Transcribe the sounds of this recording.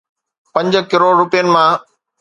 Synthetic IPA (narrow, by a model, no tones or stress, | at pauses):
pɐ̃ɲd͡ʑkɪɾoːɾʊpijənɪ̆mãː